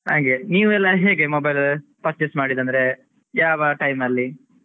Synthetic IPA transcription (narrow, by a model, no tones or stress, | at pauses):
haːŋɡeniːʋuɛlːɐɦeːɡe̞mobɐjlpɐt͡ʃesmaːɽid̪ɐnd̪ɐɾe̞ | jaːʋɐʈɐjmɐlːi